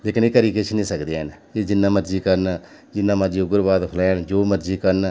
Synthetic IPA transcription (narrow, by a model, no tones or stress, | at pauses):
leːkɪneːkəɾiːket͡ʃʰnĩːsəkd̪eːɦəneːd͡ʒɪnːãːməɾd͡ʒiːkəɾn | d͡ʒɪnːãːməɾd͡ʒiːʊɡəɾbaːd̪kʰəlɛ̃ːnd͡ʒoːməɾd͡ʒiːkəɾn